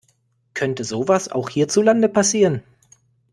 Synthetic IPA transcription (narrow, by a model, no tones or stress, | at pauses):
kʰœntəzoːvasa̰ʊxhiːɐt͡sulandəpʰasiːʁən